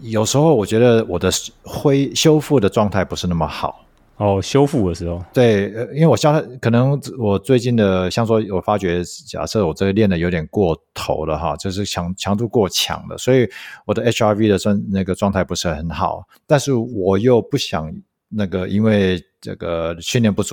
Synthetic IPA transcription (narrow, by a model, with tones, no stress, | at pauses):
jo˨˩ʊʂɻ̩˧˥xo˥˩ʊwɔ˨˩t͡ɕɥɛ˧˥d̪ə˧wɔ˨˩d̪ə˦xwe˥ɪɕjo˥ʊfu˥˩d̪ə˩ʈ͡ʂwɑ˥˧ŋt̪ʰa˥˩ɪpu˧˥ʂɻ̩˥˧na˥˩mə˩xɑ̰˨˩ʊ | ɔ˥˩ɕjo˥ʊfu˥˩d̪ə˨˩ʂɻ̩˧˥ho˥˩t̪we˥˩ɪ˧i˥nwe˥˩wɔ˨˩jɑ˥˦t̪ʰa˥˩kʰɤ˨˩nɤ˧˥ŋwɔ˨˩t͡swe˥˧ɪt͡ɕi˥˩nd̪ə˩ɕjɑ˥˩ŋswɔ˥wɔ˨˩fa˥t͡ɕɥɛ˧˥t͡ɕja̰˨˩sɤ˥˧˨wɔ˨˩ʈ͡ʂɤ˥˩ɡə˩ljɛ˥˩nd̪ə˩jo˧˥ʊt̪jɛ˨˩nkwɔ˥˩t̪ʰo̰˧˥ʊlə˧xɑ̰˥˧t͡ɕo˥˧ʊʂ̬ɻ̩˥˩t͡ɕʰjɑ˧˥ŋt͡ɕʰjɑ˧˥ŋt̪u˥˧kwɔ˥˩t͡ɕʰjɑ̰˧˥ŋd̪ə̰˧swɔ˧˥i˨˩˦wɔ˨˩d̪ə˦ʔe˥t͡ʃʰa˥vi˥d̪ə˨sna˥˩ɡə˩ʈ͡ʂwɑ˥˧ŋt̪ʰa˥˩ɪpu˧˥ʂɻ̩˥˩xə˧˦nxɑ˨˩˦ʊ | t̪a˥˧nʂɻ̩˥˩wɔ˨˩jo˥˧ʊpu˥˩ɕjɑ˨˩ŋ | na˥˩ɡə˩i˥nwe˥˩ɪʈ͡ʂə̰˥˧˩ɡə˩t͡ɕʰy˥˩njɛ˧npu˥˩t͡su˨˩